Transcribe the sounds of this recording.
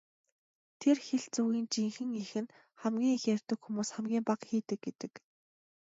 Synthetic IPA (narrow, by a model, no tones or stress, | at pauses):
t̪ʰerxeɮt͡suːɣiːnt͡ɕiŋxɘ̆ŋixɘ̆n | χæmɡʲiːŋxer̥ʲt̪ɘ̆kxumuːsχæmɡʲiːmpaqxiːt̪ɘ̆kt̚ɡet̪ɘ̆k